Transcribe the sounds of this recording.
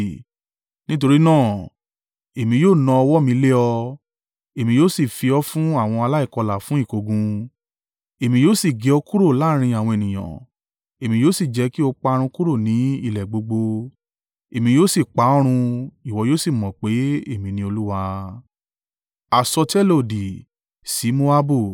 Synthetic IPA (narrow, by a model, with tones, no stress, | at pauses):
nĩ˦t̬o˧ɾi˦nãː˦˨ | e˨mĩ˧joː˦˨nɔ̃˧ɔ˧wɔ˦mĩ˧le˦ɔ˧ | e˨mĩ˧joː˦si˦˨fi˧ɔ˦fũ˦a˦˨w̃ɔ̃˧a˧la˦i˦˨kɔ˧la˨fũ˨˦i˦˨ko˧ɡũ˧ | e˨mĩ˧joː˦si˦˨ɡe˨o˧ku˦ɾo˦˨la˦ɾ̃ĩ˧a˨w̃ɔ̃˧e˨nĩ˨j̃ã̰˨ | e˨mĩ˨˧joː˦si˦˨d͡ʒɛ˨˦ki˦o˧k͡pa˧ɾ̃ũ˧ku˦ɾo˦˨nĩ˨˦i˦˨lɛ˨ɡ͡bo˧ɡ͡bo˧ | e˨mĩ˧joː˦˨si˦˨k͡pa˨˦ɔ˦ɾ̃ũ˧i˦˨wɔ˧˦joː˦si˦˨mɔ̃˨k͡pe˨˦e˦˨mĩ˧nĩ˧˦o˧lu˦wa˧ | a˨sɔ˧tɛ˦lo˦˨di˨ | si˨˦mo˦a˦bu˦˨